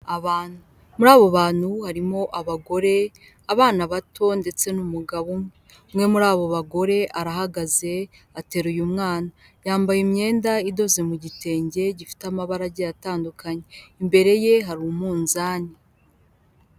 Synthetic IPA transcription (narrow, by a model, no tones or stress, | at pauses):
aβaːn̥hu | muɾaːβo̞βaːn̥huhaɾimo̞ʔaβaɡo̞ɾe̞ | aβaːnaβatʰo̞nde̞t͡se̞numuɡaβomŋe | mŋe̞muɾaːβo̞βaɡo̞ɾe̞ʔaɾaɦaɡaze̞ | ate̞ɾujumŋaːna | jaːmbajemɲe̞ːndaido̞zemuɟite̞ːɲɟe̞ɟifi̥tamaβaɾaɟejataːndukʰaɲe̞imbe̞ɾe̞je̞ɦaɾumuːnzaːni